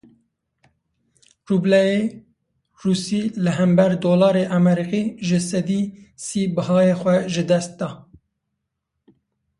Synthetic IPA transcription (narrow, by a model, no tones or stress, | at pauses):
rublɛje | ruːsiːlɨɦɛmbɛɾd̪oːlɑːɾeʔɑmɛɾiqiːʒɨsɛd̪iːsiːbɨhɑːjexʷɛʒɨd̪ɛst̪̚d̪ɑː